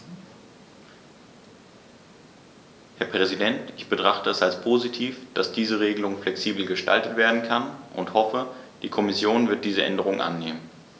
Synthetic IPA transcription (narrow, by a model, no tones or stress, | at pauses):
hɛɐpʁ̥ɛzidɛntʔɪçb̥ətʁ̥aχtəɛsalspʰoːzitʰiːfd̥asd̥iːzəʁeːɡəlʊŋflɛksiːbl̩ɡəʃta̰ltətv̥eːɐdn̩kʰanʔʊ̰nthɔfəd̥iːkʰɔmɪsjoːnvɪɐt̚d̥iːzəʔɛ̰ndəʁ̞ʊŋʔa̰nːeːmən